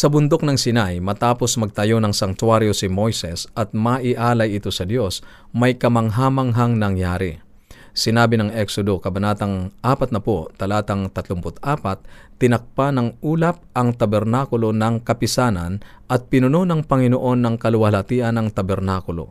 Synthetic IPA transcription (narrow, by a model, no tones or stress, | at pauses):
sɐbʊnd̪ok̚nɐŋsɪnajmɐt̪aːpo̞smɐɡ̚t̪ɐjo̞nɐŋsɐŋt̪waɾjosɪmo̞jsɛsɐt̪̚mɐʔɪʔaːlɐjɪt̪o̞sɐd̪jo̞s | mɐjkɐmɐŋɦaːmɐŋɦɐŋnɐŋjaːɾi | sɪnaːbɪnɐŋʔɛksod̪okɐbɐnaːt̪ɐŋʔaːpɐt̪̚nɐpot̪ɐlaːt̪ɐŋt̪ɐt̪lʊmpʊt̪̚ʔaːpɐt̪̚ː | ɪnɐk̚panɐŋuːlɐp̚ʔɐŋt̪ɐbɛɾnaːkʊlo̞nɐŋkɐpɪsaːnɐ̰nʔɐt̪̚pɪnʊno̞nɐŋpɐŋɪnoʔo̞nːɐŋkɐlʊwɐlɐt̪iːʔɐnɐŋt̪ɐbɛɾnaːkʊlo̞̰